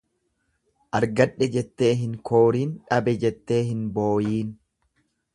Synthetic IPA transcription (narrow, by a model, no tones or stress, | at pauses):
ʔɐɾɡɐᶑːɛd͡ʒɛt̪ːe̞ːɦɪŋkʰoːɾiːnᶑɐbɛd͡ʒɛt̪ːe̞ːɦɪnbo̞ːjiːn